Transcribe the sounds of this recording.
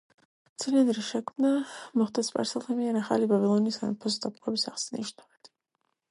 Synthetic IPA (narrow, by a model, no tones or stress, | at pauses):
t̪sʰiliɛnɾiʃɛkʰmnamɔχd̪ɛspʼa̰ɾsɛlˠχʰɛmiɛɾaχa̰libabilˠɔniːsa̰npʰɔsd̪ap̪̚qʼɛbisaʁsɛnḭʃnavɛt̪ʰ